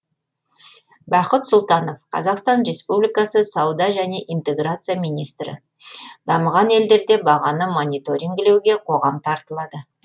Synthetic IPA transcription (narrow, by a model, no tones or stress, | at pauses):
bɑqət̪sʊlˠt̪ɑno̞fqʰɑ̰zɑqst̪ɑnre̞spublijkɑsəsɑwd̪ɑʒæne̞ʔint̪e̞ɡrat̪sɨjamʲijnijst̪ɾɪ̰ | d̪ɑməʁɑne̞ld̪e̞ɾd̪e̞bɑʁɑnəmo̞nʲijt̪o̞ɾʲiŋɡle̞wɡʲe̞qʰo̞ʁɑmt̪ʰɑɾt̪əlˠɑd̪ə